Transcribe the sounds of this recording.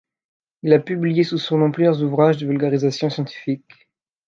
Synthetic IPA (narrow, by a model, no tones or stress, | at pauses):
ilapyblijesusɔ̃nɔ̃pljœʁzuvʁaʒd̪əvylɡaʁizasjɔ̃sjɑ̃t̪i̥fik